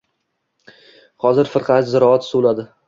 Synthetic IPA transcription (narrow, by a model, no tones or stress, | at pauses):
hɒzɪɾfɨɾqʰɑzɪɾɒat̪solad̪ɪ